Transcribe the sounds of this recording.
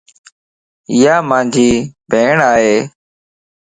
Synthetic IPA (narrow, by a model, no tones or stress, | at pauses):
ɪjaːmãːnd͡ʒʱiːbʱeːɳaːɦeː